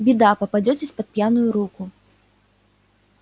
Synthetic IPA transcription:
bʲid̪apɐpad͡zʲɔt͡sʲɛsʲpɐt̪̚pʲjanujuɾuku

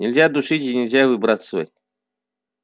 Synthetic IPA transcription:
nʲɪlʲzʲad̪uʂɨtʲinʲɪlʲzʲavɨbɾasvo̰jʲ

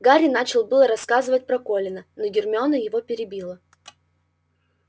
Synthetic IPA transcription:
ɡaɾʲɪnat͡ɕɪlˠbɨlˠəɾɐskazɨvət̚ʲpɾɐko̞lʲɪnənoɡʲɪrmʲonəjɪvo̞pʲɪɾʲɪbʲilˠə

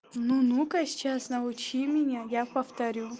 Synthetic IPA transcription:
nunukɐsʲt͡ɕasnɐʊt͡ɕimʲɪnʲajapɐft̪ɐɾʲu

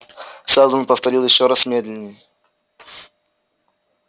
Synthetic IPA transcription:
sɛlˠd̪ənpəft̪ɐɾʲilˠjɪɕːoɾasmʲed̪lʲɪnʲːɪjə

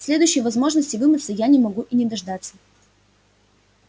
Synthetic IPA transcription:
sʲlʲe̞d̪ʊjʏɕːɪjvɐzmo̞ʐnəsʲtʲɪvɨmət̪səjanʲɪmɐɡuʔinʲɪd̪ɐʐd̪at̪sːə

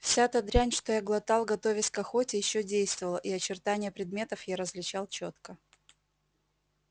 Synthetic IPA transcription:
fsʲat̪ɐd̪ɾʲænʲʂt̪ojaɡlˠɐt̪ɑlˠɡɐt̪o̞vʲɪtʲkɐxo̞tʲɪjɪɕːodʲejst̪vəvəlˠəʔiɐt͡ɕɪrt̪anʲɪjəpɾʲɪd̪mʲe̞t̪əfjaɾəzvlʲɪt͡ɕalˠt͡ɕot̪kə

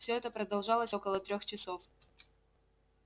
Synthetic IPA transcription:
fsʲɵɛt̪əpɾəd̪ɐlˠʐɑlˠəsʲokəlˠət̪ɾʲoxt͡ɕɪsof

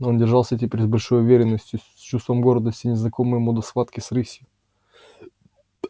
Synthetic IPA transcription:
o̞ndʲɪrʐalˠsʲətʲɪpʲeɾʲzbɐlʲʂo̞jʊvʲeɾʲɪnːəsʲtʲjʊ | t͡ɕust̪vəmɡo̞ɾd̪əsʲtʲɪnʲɪznɐko̞mɨjmod̪əsvat̪kʲɪsɾɨsʲɪ

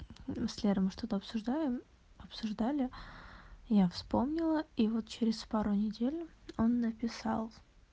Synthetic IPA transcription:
sʲlʲeɾəmɨʂt̪o̞t̪əɐpsʊʐd̪ajɪm | ɐpsʊʐd̪alʲɪ | jafspo̞mnʲɪlˠəivo̞t̪̚t͡ɕɪɾʲɪspaɾʊnʲɪdʲelʲʊo̞nːəpʲɪsɑ̰lˠ

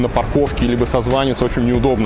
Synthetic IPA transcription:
nəpɐrko̞fkʲɪlʲibəsɐzvanʲɪt̪sot͡ɕɪnʲnʲɪʊd̪o̞bnə

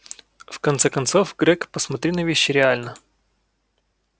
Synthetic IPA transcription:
fkɐnt̪sɛkɐnt̪sɔfɡɾɛkpəsmɐt̪ɾʲinɐvʲiɕːɪɾʲɪalʲnə

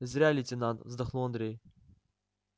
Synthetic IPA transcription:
ɪzʲɾʲælʲit̪ʲɪnant̪vzd̪ɐxlˠuɐnd̪ɾʲej

